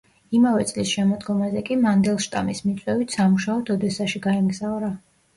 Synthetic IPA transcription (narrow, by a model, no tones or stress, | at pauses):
imavɛt̪sʼlisʃɛmɔd̪ɡɔmazɛkʼimand̪ɛlˠʃt̪ʼa̰mismit̪sʼwɛvit̪ʰsamuʃaɔt̪ʰɔd̪ɛsaʃiɡaɛmɡzavɾa